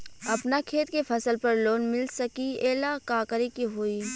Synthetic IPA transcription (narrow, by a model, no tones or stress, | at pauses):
ɐpnakʰeːt̪kefʰɐsəlpɐɾloːnmɪlsɐkieːlakaːkəɾikiɦoːiː